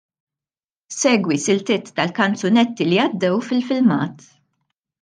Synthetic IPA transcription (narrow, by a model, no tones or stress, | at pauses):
sɛːɡwisɪlt̪ɪt̪ːɐlkɐnt͡sʊnɛt̪ːiliɐd̪ːɛwfɪlfɪlmɐːt̪